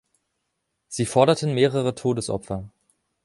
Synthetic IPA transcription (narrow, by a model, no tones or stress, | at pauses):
z̥iːfɔɐɾɐtnmeːʁəʁətʰoːdəsʔɔ̰pfɐ